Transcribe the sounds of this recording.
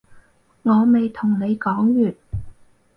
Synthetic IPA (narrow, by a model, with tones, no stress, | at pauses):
ŋɔː˨˧me˨jt̪ʰʊ˨˩ŋne˨˧jkɔː˨˥ŋjyː˨t̚